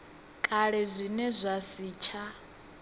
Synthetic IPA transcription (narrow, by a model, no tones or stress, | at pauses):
kʼaɺɛzʷinɛzʷasiːt͡ʃʰa